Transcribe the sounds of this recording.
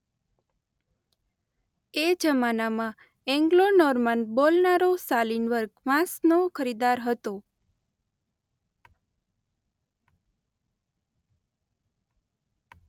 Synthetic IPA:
ed͡ʒəmanamã | ɛ̃ŋɡlonɔɾmənbolnaɾosalinʋəɾɡʋãsnokʰəɾid̪aɾɦət̪o

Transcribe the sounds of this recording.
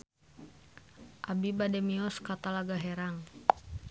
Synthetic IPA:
ʔabibadɛmiɔskat̪alaɡaɦɛɾaŋ

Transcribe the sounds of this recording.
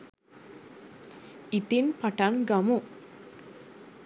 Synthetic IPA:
it̪inpaʈaŋɡamu

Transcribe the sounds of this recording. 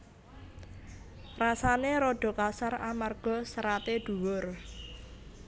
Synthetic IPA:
rasaneɾoɖ̥ɔ̤kasaramarɡ̥ɔ̤səɾat̪eɖ̪̥ṳwʊr

